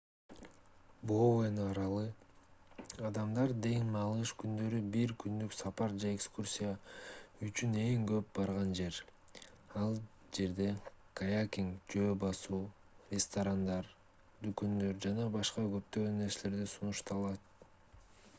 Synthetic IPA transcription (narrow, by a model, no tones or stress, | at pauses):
bowenɑɾɑlˠɯ | ɑd̪ɑmd̪ɑɾd̪e̞ŋmɑlˠɯʃkynd̪ø̞ɾybiɾkynd̪yksɑpɑɾd͡ʒaekskursʲijayt͡ʃyne̞ŋɡø̞p̚bɑɾʁɑnd͡ʒe̞ɾ | ɑlˠ | d͡ʒe̞ɾd̪e̞kajakʲiŋkd͡ʒø̞ːbɑsuː | rʲɪst̪aɾand̪ɑɾ | d̪ykønd̪ø̞ɾd͡ʒɑnɑbɑʃqɑɡø̞p̚t̪øɡøne̞ɾsle̞ɾd̪isunuʃt̪ɑlˠɑt̪̚